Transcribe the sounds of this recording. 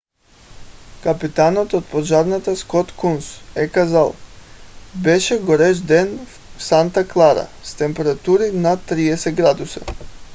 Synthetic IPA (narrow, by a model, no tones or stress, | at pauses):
kapit̪anot̪ot̪̚poʒaɾnat̪askɔt̪kunsɛkazalˠ | bɛʃɛɡoɾɛʒd̪ɛn | sant̪aklˠaɾa̰st̪ɛmpɛɾat̪uɾinat̪ːɾiɛsɛɡɾad̪usa̰